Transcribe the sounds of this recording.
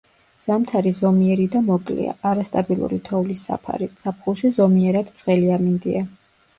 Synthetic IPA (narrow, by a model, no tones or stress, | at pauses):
z̥amt̪ʰaɾizɔmiɛɾid̪amɔkʼlḭa̰ʔaɾast̪ʼabilˠṵɾḭt̪ʰɔvlisa̰pʰa̰ɾit̪sapʰχulˠʃizɔmiɛɾad̪̥t̪sʼqʼɛliamind̪ia